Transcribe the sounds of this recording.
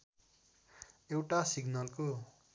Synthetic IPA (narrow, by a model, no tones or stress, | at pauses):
ewʈasiɡnʌlko